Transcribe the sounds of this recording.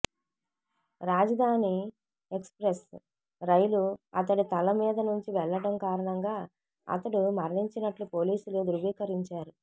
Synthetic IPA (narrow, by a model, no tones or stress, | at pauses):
ɾaːd͡ʒɐd̪ʱaːni | ekspɾes | ɾɐjluɐ̰t̪ɐɽit̪ɐlɐmiːd̪ɐnuɲt͡ʃiʋɛɭːɐɽɐmkaːɾɐɳɐŋɡaː | ɐ̰t̪ɐɽumɐɾliɲt͡ʃinɐʈlupo̞ːliːsulud̪uɾuʋiːkɐɾiɲt͡ʃaːɾu